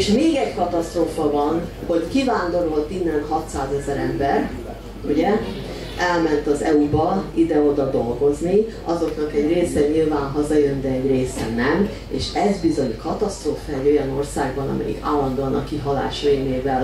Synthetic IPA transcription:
ʃmeːɡɛɟkɒt̪ɒst̪rɾoːfɒvɒn | ho̞ckivaːnd̪o̞ɾo̞lt̪inːɛnɦɒt̪saːzɛzɛɾɛ̰mbɛr | uɟɛ | ɛlmɛnt̪ɒzɛubɒid̪ɛo̞d̪ɒd̪o̞lɡo̞zni | ɒzo̞kn̪ɒkɛɟreːsɛɲilvaːnɦɒzɒjønd̪ɛɛɟreːsɛnɛm | ḛːʃɛzbizo̞ɲkɒt̪ɒst̪roːfɛɛɟo̞jɒno̞rsaːɡbɒnɒ̰mɛ̰jḭka̰ːlːɒnd̪oɒnɒkːiɦɒla̰ːʃemeːvɛl

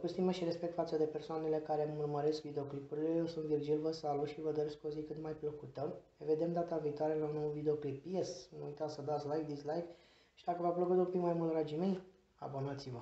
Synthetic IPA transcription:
kust̪iməʃiɾe̞spk̚t̪fat̪səd̪e̞pe̞rsoane̞le̞kaɾe̞murməɾe̞skvid̪eo̞klipuɾilejewsunt̪virʒilvəsaluʃivəd̪oɾesko̞zikɨt̪majpləkut̪əneve̞d̪e̞md̪at̪aviːt̪oaɾelanowuvid̪eoklipjesnujt̪asəd̪at̪sʲlajk̚d̪islajk | ʃid̪akəvapləkut̪umpikmajmult̪ɾad͡ʒime̞j | a̰bonat̪sivə

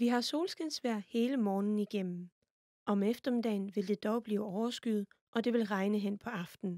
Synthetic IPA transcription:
ʋiɦɑ̈so̝ːlsɡ̥ensʋæɐ̰he̝ːləmɒːnn̩iɡ̥em̰m̩ | ɒ̽mefd̥ɐmid̥ɛ̰ɪnʋe̝ld̥e̝d̥ɒʊb̥liːɒʊɐsɡ̥yð̞̩ˠ | ʔɒ̽d̥e̝ʋe̝lʁɑ̈ɪnəɦen̰pʰɒ̽ɑ̈fd̥n̩

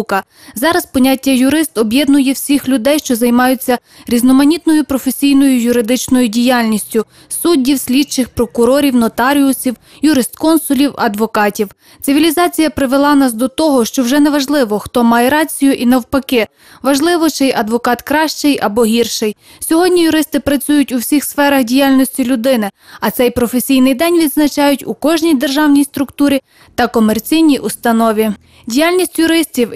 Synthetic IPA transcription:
kɐ | zɑɾɐspɔnʲatʲːɐjʊɾɪst̪ɔbjɛd̪nʊjɛwsʲixlʲʊd̪ɛjʃt͡ʃɔzɐjmɑjʊt͡sʲːɐ | ɾʲiznɔmɐnʲit̪nɔjʊpɾɔfesʲijnɔjʊjʊɾɪd̪ɪt͡ʃnɔjʊdʲijɑlʲnʲisʲtʲʊ | sudʲːiwsʲlʲid̪t͡ʃɪxpɾɔkʊɾɔɾʲiwnɔt̪ɑɾʲiʊsʲiw | jʊɾɪst̪kɔnsʊlʲiwɐd̪ʋɔkɑtʲiw | t̪sɪʋʲilʲizɑt͡sʲijɐpɾɪʋelˠɑnɑsd̪ɔt̪ɔɦɔʃt͡ʃɔwʒɛnɛʋɐʒlˠɪʋɔxt̪ɔmɑjɛɾɑt͡sʲijʊʔinɐwpɐkɪ | ʋɐʒlˠɪʋɔt͡ʃɪjʔɐd̪ʋɔkɑt̪kɾɑʃt͡ʃɪjʔɐbɔɦʲirʃɪj | sʲɔɦɔdʲnʲijʊɾɪst̪ɪpɾɐt͡sʲujʊtʲuwsʲixsfɛɾɐxdʲijalʲnɔsʲtʲilʲʊd̪ɪnɪɐt̪sɛjpɾɔfesʲijnɪjd̪ɛnʲʋʲid̪znɐt͡ʃɑjʊtʲukɔʒnʲijd̪erʒɑwnʲijst̪ɾʊkt̪uɾʲi | t̪ɐkɔmert͡sʲijnʲijʔust̪ɐnɔʋʲi | dʲijalʲnʲisʲtʲjʊɾɪsʲtʲiw

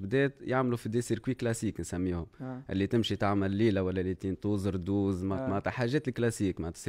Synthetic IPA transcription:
bd̪ɛːt̪jaʕmlufid̪iːsiɾkwiːklasiːknsæmːiːhʊmʔɪ̰lːit̪ɪmʃit̪aʕmalːiːlawalːælit̪iːnt̪uːzɾd̪uːzmamat̪aħaːʒɛːt̪ɪlklasiːkmat̪ɑ̥s

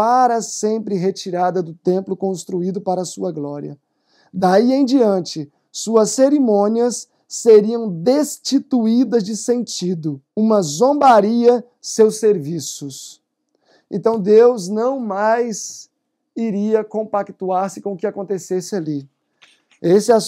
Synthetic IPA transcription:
paɾɐsẽmpɾɪɦet͡ʃiɾad̪ɐd̪ʊt̪ẽmplʊkõst̪ɾuid̪ʊpaɾɐːsuɐɡlɔɾiɐ̰ | d̪aiẽj̃d͡ʒiɐ̃nt͡ʃɪ | suɐsːeɾimõniɐsː | eɾiɐ̃w̃d̪est͡ʃit̪uid̪ɐzd͡ʒɪsẽnt͡ʃid̪ʊũmɐzõmbaɾiɐ | sewseɾvisʊs | ḛ̃nt̪ɐ̃w̃d̪ewznɐ̃w̃majz | iɾiɐkõmpakt̪uaɾsɪkõʊkɪakõnt̪esesɪali | esɪɛ

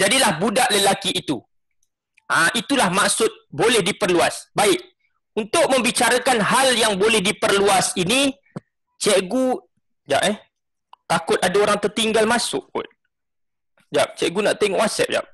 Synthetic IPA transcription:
d͡ʒadilahbudaʔləlakiʔːt̪u | aʔit̪ulahmak̚sʊt̪̚bolɛhdipərluasbaɪʔ̚ | unt̪ʊʔ̚mə̃mbit͡ʃaɾakanɦaljaŋbolɛhdipərluasini | t͡ʃɛʔɡu | d͡ʒa̰ʔɛ | t̪akʊt̪̚adaoɾaŋt̪ərt̪iŋɡalmãsʊ̰ʔkʊ̰t̪̚ | d͡ʒap̚t͡ʃɛʔɡunaʔt̪eŋɔʔwasɛ̰p̚d͡ʒa̰p̚

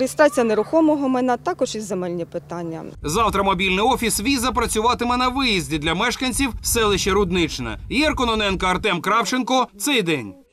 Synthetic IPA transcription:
ɾʲɪst̪at͡sʲijɐneɾʊxɔmɔɦɔmɛnɛt̪ɑkɔʒizemɛlʲnʲipɪt̪anʲːɐ̰zɑwt̪ɾɐmɔbʲilʲnɪɔfʲisʋʲizɐp̬ɾɐt͡sʲʊʋɑt̪ɪmɛnɐʋɪjizʲdʲid̪lʲɐmɛʃkɐnʲt͡sʲiwsɛlˠɪʃt͡ʃɛɾʊd̪nɪt͡ʃnɛ̰jɛrkɔnɔnɛnkɐɐrt̪ɛmkɾɑwt͡ʃenkɔt̪sɛjd̪ɛnʲ

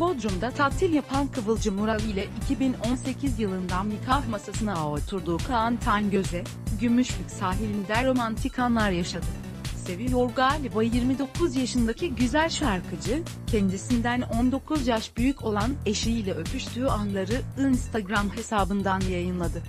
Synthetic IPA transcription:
pʰo̞d̪ɾumd̪at̪ʰat̪ʰːilʲjapʰankʰɯvɯlˠd͡ʒɯmuɾalˠɯjlʲɛʔicʰibino̞nse̞cʰizjɯlˠɯnd̪anmikʰahmasasɯnaot̪ʰuɾd̪uːkʰaant̪ʰanɟø̞zɛ | ɟymyʃlʲycsaːɦilʲind̪æɾo̞mant̪ʰikʰanlˠaɾjaʃad̪ɯ | se̞vijoɾɡaːlʲibajjiɾmid̪o̞kʰuzjaʃɯnd̪acʰiɟyzælʲʃaɾkʰɯd͡ʒɯ | cʰɛnd̪isind̪æno̞nd̪o̞kʰuzjaʃbyjycʰo̞lˠane̞ʃijilʲɛø̞pʰyʃt̪ʰyːanlˠaɾɯinst̪ʰaɡɾamhe̞saːbɯnd̪anjajɯnlˠad̪ɯ

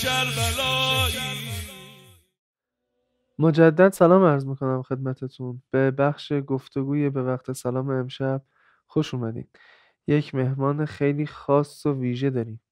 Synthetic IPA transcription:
mod͡ʒæd̪ːæd̪sælɒːmæɾzmiːkʰo̞næmxe̞d̪mæt̪ʰe̞t̪ʰunb̥e̞bæxʃe̞ɡoft̪ʰo̞ɡuːjebe̞væqt̪ʰe̞sælɒːmeːmʃæb̥̚ | xo̞ʃuːmæd̪ḭːm | je̞cʰme̞hmɒːnexe̞jliːxɒːsːoviːʒe̞d̪ɒːɾiːm

